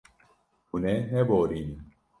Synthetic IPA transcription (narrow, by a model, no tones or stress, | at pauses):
uneɦeboɾin